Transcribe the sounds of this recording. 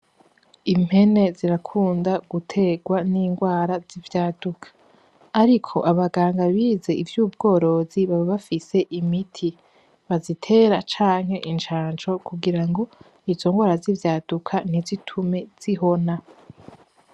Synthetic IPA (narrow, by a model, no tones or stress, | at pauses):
im̥he̞ne̞ziɾakʰuːndaɡutʰe̞ɡwaniːŋɡwaːɾazivjaːdukʰḁː | ɾikʰo̞̰ʔaβaɡaːŋɡaβiːze̞ʔivjuːb̚ɡo̞ːɾo̞ziβaβaβafise̞ʔimitʰi | βazitʰe̞ːɾat͡ʃaːŋ̥he̞ʔint͡ʃaːnt͡ʃo̞kuɡiɾaŋɡo̞ | izo̞ŋɡwaːɾazivjaːd̥ukʰan̥izitʰume̞z̥iɦo̞na